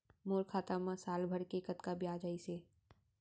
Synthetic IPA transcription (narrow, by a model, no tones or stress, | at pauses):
moːɾkʰaːt̪amãsaːlbʱəɾkekət̪kabijaːd͡ʒaise